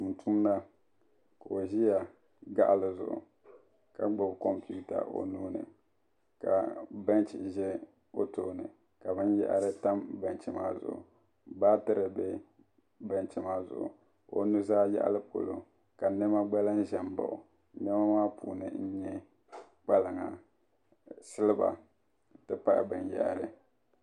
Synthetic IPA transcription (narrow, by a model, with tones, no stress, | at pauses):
u˨n˨tʰu˦mna˦ | ka˨o˨ʒi˦ja˨ | ɡa̰˦ʔa˨lɨ˨zʊ̰˨ʔʊ̰˨ | ka˨ɡ͡bʊ˨bko˦mpu˦ta̰˨ʔo̰˨nuː˦nɨ̰˨ | ka̰˨ba˦nt͡ʃḭ˨ʒɛ˦ | o˦toː˦nɨ̰˨ | ka˨bɨ˦njɛ̰˦ʔa̰˨ɾɨ˦ta˦mba˨nt͡ʃɪ˨ma̰ː˦zʊ̰˨ʔʊ̰˨ | baː˦tɨ˦ɾɨ˨bɛ˦ | ba˦nt͡ʃɪ˨maː˦zʊ̰˨ʔʊ˨ | o˨nu˦zaː˦jɛ̰˦ʔa̰˦lɨ˦po̰˨lo˨ | ka˨nɛ˦ma˦ɡ͡ba˦la˦n˦ʒɛ˨m˦ba̰˨ʊ˨ | nɛ˦ma˦maː˦pʰuː˨nɨ̰˨n̩˦ɲɛ˦ | k͡pa˦lɨ˨ŋa˨ | sɨ˦lɨ˦ba̰˨ | tɨ˦pa˦ʔbɨ˨nja̰˦ʔa˨ɾɨ˨